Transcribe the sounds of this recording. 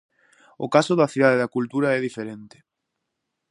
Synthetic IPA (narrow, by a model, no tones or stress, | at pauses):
ʊ̰kasʊðaθiðaðeðakult̪uɾaɛðifeɾent̪ɪ̥